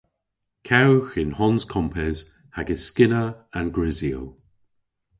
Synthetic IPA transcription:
kʰawxɪnhɔnz̥kʰɔmpʰɪz | haɡɪskɪnəanɡɹɪziəlˠ

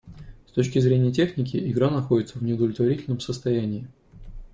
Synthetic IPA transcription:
st̪o̞t͡ɕkʲɪzɾʲenʲɪjətʲe̞xnʲɪkʲɪʔɪɡɾanɐxo̞dʲɪt̪səvnʲɪʊd̪əvlʲɪt̪vɐɾitʲɪlʲnəmsəst̪ɐjænʲɪː

